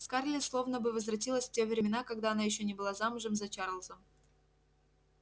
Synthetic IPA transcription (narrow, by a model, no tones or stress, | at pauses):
skarlʲɪslˠo̞vnəbɨvəzvɾɐt̬ʲilˠəsʲftʲe̞vɾʲɪmʲɪnakɐɡd̪aɐnajɪɕ̬ːonʲɪbɨlˠazamʊʐɨmzɐt͡ɕaɾəlˠzəm